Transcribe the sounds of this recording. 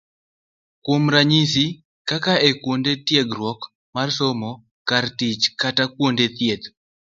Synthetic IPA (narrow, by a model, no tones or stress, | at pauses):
kwomɾaɲis̬i | kakaekwondetjeɡɾwɔk | marsomɔ | kartit͡ʃkatakwondet̪jet̪